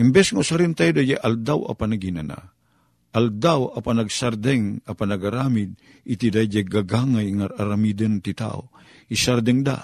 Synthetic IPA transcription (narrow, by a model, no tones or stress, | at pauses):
imbɛsŋausaɾint̪ajd̪ajeʔald̪awa̰panaɡinana̰ | ald̪awapanaɡsaɾd̪ɛŋapanaɡaɾamid̪̚ | it̪id̪ajd͡ʒeɡaɡaŋajŋaaɾamid̪ənt̪it̪a̰o̰ | isaɾd̪ɛŋd̪a̰